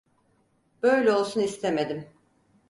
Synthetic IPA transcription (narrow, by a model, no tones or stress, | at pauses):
b̥ø̞jlʲɛo̞lˠsunist̪ʰemed̪im